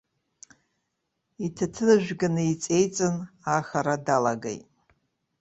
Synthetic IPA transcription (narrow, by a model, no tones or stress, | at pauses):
itʰatʰɨnɨʒᶣʷɡanɨit͡sʼe̞jt͡sʼɨnaxaɾadalaɡḛjtʼ